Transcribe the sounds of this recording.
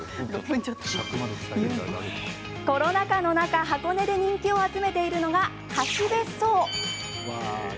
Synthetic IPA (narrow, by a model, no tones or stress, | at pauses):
oɲt͡ɕot̪ːo̥ | ko̞ɾo̞nakano̞nakaɦako̞ne̞d̪e̞ɲ̟ĩŋkʲio̞at͡sɨme̞t̪e̞iɾɯ̟no̞ɡa | kaɕid̪e̞soː